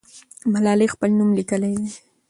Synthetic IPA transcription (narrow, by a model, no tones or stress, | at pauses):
malaːlɪχpalnʊmlɪkalaj